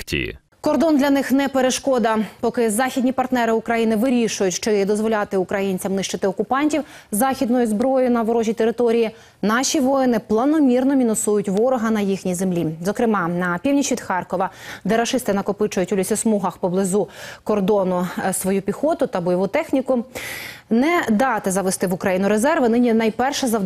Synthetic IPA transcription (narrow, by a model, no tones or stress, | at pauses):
tʲḭ | kɔrd̪ɔnd̪lʲɐnɪxnɛpeɾeʃkɔd̪ɐpɔkɪzɑxʲid̪ʲnʲipɐrt̪nɛɾɪʊkɾɐjinɪʋɪɾʲiʃʊjʊtʲt͡ʃɪd̪ɔzʋɔlʲat̪ɪʊkɾɐjinʲt͡sʲɐmnɪʃt͡ʃɪt̪ɪɔkʊpɑnʲtʲiw | zɑxʲid̪nʊjʊzbɾɔjʊnɐʋɔɾɔʒʲit̪eɾɪt̪ɔɾʲiji | nɑʃʲiʋɔjɪnɪplˠɐnɔmʲirnɔmʲinɔsujʊtʲʋɔɾɔɦɐnɐjixnʲizemlʲizɔkɾɪmɑnɐpʲiwnʲit͡ʃʋʲid̪̥xɑrkɔʋɐd̪ɛɾɐʃɪst̪ɪnɐkɔpɪt͡ʃʊjʊtʲʊlʲisʲɛsmuɦɐxpɔblˠɪzukɔrd̪ɔnʊsʋɔjupʲixɔt̪ʊt̪ɐbɔjɔʋut̪ɛxnʲikʊ | nɛd̪ɑt̪ɪzɐʋɪst̪ɪʋʊkɾɐjinʊɾezɛrʋɪnɪnʲinɐjpɛrʃɛzɐ